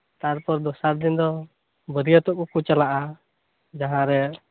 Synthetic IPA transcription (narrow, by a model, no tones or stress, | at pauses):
t̪aɾpɔɾd̪ɔsaɾd̪ind̪ɔ | bəd̪iat̪ɔʔkukut͡ʃalaʔa | d͡ʒaɦãɾɛ